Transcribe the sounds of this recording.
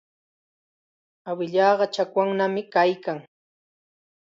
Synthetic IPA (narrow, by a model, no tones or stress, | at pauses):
awɪʎɑːɢɑt͡ʃakwaŋnamɪkajkaŋ